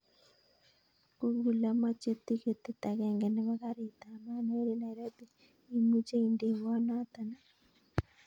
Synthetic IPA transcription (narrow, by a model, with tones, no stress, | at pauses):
ku˦ɣu˨la˦ma˦t͡ʃe˦t̪i˦ke˨t̪e˦ta˨ɣɛ˨ŋɡɛ˨nɪ˦βa˦ka˦ɾi˨t̪a˨ma˦ne˦ɾe˦na˨iɾa˦bi˦ | i˦mu˦t͡ʃe˦inde˨βɔ˦na˦t̪a˨na˨